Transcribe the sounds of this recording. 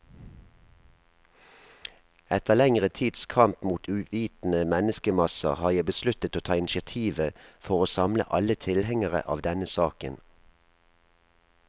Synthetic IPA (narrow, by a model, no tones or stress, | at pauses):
ɛt̪əlɛŋʁət̪ʰiːd̪skʰɑmpmuːt̪ʰʉːʋiːt̪n̩əmɛnəskəmɑsə̰ʁhɑːjæɪbəslʉt̪ət̪oːt̪ʰɑːɪnɪʃɪɑt̪ʰiːʋəfɔʁoːsɑmlə̰ʔɑlət̪ʰɪlhɛŋəʁə̰ʔɑ̰ːʋd̪ɛnəsɑːkən